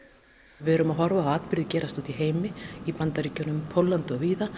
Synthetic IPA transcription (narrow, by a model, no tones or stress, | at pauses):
vɛɛɾʏmaðɦɔɾvaːaːt̪pɪɾðɪcɛːɾast̪ɔwt̪iɦeːjmɪipant̪aɾiːcœnʏmpʰowlːant̪ʏɔɣviːða